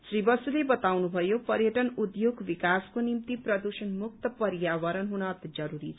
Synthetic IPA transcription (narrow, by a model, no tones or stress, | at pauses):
sribʌsulebʌt̪awnubʱʌjopʌɾjʌʈʌnud̪joɡbikaskonimt̪iprʌd̪usʌnmuk̚t̪ʌpʌɾjawʌɾʌnɦunʌt̪d͡zʌɾuɾit͡sʰ